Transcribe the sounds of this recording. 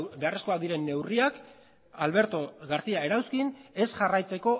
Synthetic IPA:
be̞are̞sko̞aðiɾe̞nːe̞wriak | alβe̞ɾt̪o̞ɣaɾθiae̞ɾawskine̞sʝarajt͡se̞ko̞

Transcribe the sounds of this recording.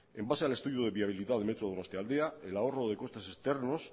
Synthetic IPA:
e̞mbaseale̞st̪uðjoðe̞βiaβ̞iliðaðemet̪ɾoðonost̪eald̪e̞ae̞lao̞ro̞ðe̞ko̞st̪e̞se̞st̪e̞ɾno̞s

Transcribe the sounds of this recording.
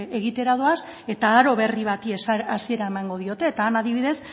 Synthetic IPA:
e̞ɣit̪e̞ɾað̞oas | e̞t̪aːɾo̞βe̞riβ̞at̪iesasie̞ɾaemaŋɡo̞ð̞io̞t̪e̞ːt̪aːnaðiβiðe̞s

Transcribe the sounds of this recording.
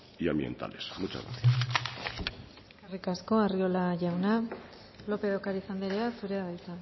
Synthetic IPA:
iambje̞̰nt̪a̰le̞smut͡ʃa̰ɣa̰θias | arikasko̞ario̞laʝawna | lo̞pe̞ðokaɾisand̪eɾeasuɾeðaβajt͡sa

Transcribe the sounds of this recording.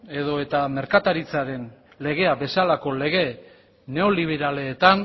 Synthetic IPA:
e̞ðo̞e̞t̪ame̞ɾkat̪aɾit͡saɾe̞n | le̞ɣ̞e̞abe̞salako̞le̞ɣ̞e̞ | ne̞o̞liβ̞e̞ɾale̞ːt̪an

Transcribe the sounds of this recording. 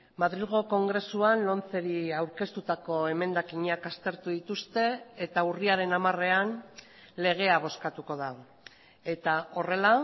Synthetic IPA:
maðɾilɣo̞ko̞ŋɡɾe̞suanlo̞nt͡se̞ɾiawɾke̞st̪ut̪ako̞e̞me̞nd̪akiɲakast̪e̞ɾt̪uðit̪ust̪e̞et̪auriaɾe̞namare̞an | le̞ɣ̞e̞aβ̞o̞skat̪uko̞ða | e̞t̪ao̞re̞la

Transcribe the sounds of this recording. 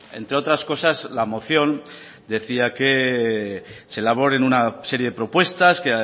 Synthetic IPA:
e̞̰nt̪ɾeo̞t̪ɾasko̞sazlamo̞θjo̞n | d̪e̞θiake̞ | se̞laβ̞o̞ɾe̞nunase̞ɾjeðe̞pɾo̞pwe̞st̪aske

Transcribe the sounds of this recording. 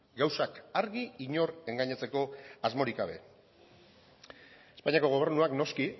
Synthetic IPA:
ɡawsakaɾɣiiɲo̞ɾe̞ŋɡaɲat͡se̞ko̞azmo̞ɾikɡaβ̞e̞̰ | e̞spaɲiako̞ɣ̞o̞β̞e̞ɾnuakno̞ski

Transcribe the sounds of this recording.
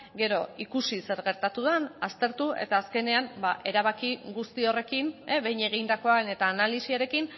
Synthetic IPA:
ɡe̞ɾo̞ikusise̞ɾɣe̞ɾt̪at̪uðenast̪e̞ɾt̪uʔe̞̰t̪aːske̞ne̞anbaʔe̞ɾaβ̞akiɣust̪io̞re̞kineβe̞jɲe̞ɣind̪ako̞aene̞t̪aːnalisiaɾe̞kin

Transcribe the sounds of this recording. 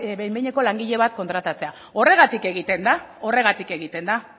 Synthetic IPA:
bejmbejɲeko̞laŋɡiʎe̞β̞at̪̚kont̪ɾat̪at͡se̞a | o̞re̞ɣ̞at̪ike̞ɣit̪e̞nd̪a | o̞re̞ɣat̪ike̞ɣ̞it̪e̞nd̪a

